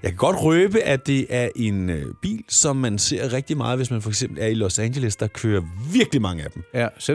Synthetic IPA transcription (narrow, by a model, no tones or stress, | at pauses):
jɑ̈kʰæɡ̥ɒ̽d̥ʁøːb̥əʔæd̥e̝ʔæɐʔe̝nøb̥ḭːlsɒ̽mːænse̝ɐ̰ʁɛɡ̥̚d̥imɑ̈ːð̞̩ˠʋe̝smænfɒ̽eɡ̥sem̰b̥l̩æɐilɔsæŋɕeləsd̥ɑ̈kʰøːɐʋviɐɡ̥limɑ̈ŋəæd̥em̩